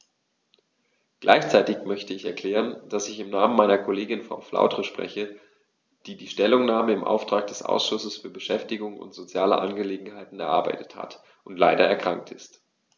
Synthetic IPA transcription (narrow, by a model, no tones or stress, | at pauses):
ɡ̥lʔa̰ɪçt͡saɪtɪçmœçtəɪçɛɐkʰl̥ɛːʁənd̥asɪçɪmnaːmənmaɪnɐkʰoleːɡɪnfa̰nfla̰ʊtʁəʃpʁ̥ɛ̰çə | d̥iːdiːʃtɛlʊŋnaːməɪmʔa̰ʊftʁ̥aːk̚d̥ɛsʔa̰ʊsʃʊsəsfyːɐbəʃɛftɪɡʊŋʊ̰ntz̥ot͡sjaːlə̰ʔa̰nɡəleːɡŋ̩ɦaɪtn̩ɛɐʔaɐbaɪtə̥tha̰t | ʊntlaɪdɐɛɐkʁ̥aŋk̚tɪst